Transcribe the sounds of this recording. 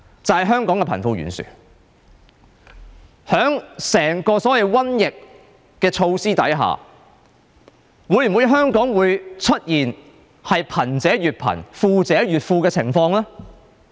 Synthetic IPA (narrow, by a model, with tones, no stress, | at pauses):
t͡sɐ˨whɐ˨jɦœː˥ŋkɔː˨˥ŋkɛ˧pʰɐ˨˩nfu˧ɥy̰ː˨nsy̰ː˨ | hœː˨˥ŋsɛː˨˩ŋkɔː˧sɔː˨˥jɐ˨˧jwɐ˥njɪ˨kː | ɛː˧t͡ʃʰo˧wsiː˥t̪ɐ˨˥jɦa̰ː˨ | wuː˨˥jwu˨˧jɦœː˥ŋkɔː˨˥ŋwuː˨˧jt͡sʰɵ˥t̚jiː˨˩n | hɐ˨jpʰɐ˨˩nt͡sɛː˨˥ɥyː˨t̚pʰɐ̰˨˩nfuː˧t͡sɛː˨˥ɥyː˨t̚fuː˧kɛː˧t͡sʰɪ˨˩ŋfɔː˧ŋlaː˥